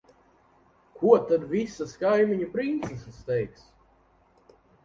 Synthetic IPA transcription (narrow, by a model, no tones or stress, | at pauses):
kʰuɔt̪ad̪visaskajmiɲupɾint̪sɛsst̪ɛjks